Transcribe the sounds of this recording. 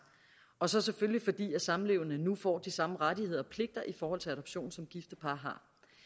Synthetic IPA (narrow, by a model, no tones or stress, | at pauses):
ɒ̽sɒ̽seføljifɒ̽d̥ḭːæsɑ̈m̩le̝ʊɐnənufɒ̰ːd̥isɑ̈məʁadihe̝ð̞̰ˠɐɒ̽pʰle̝ɡ̥̚d̥ɐʔifɒːhɒ̽l̰t͡sʰe̝læɾɒ̽b̥ɕo̝̰ːn̩sɒ̽mɡ̥ifd̥əpʰɑ̈ːɦɑ̈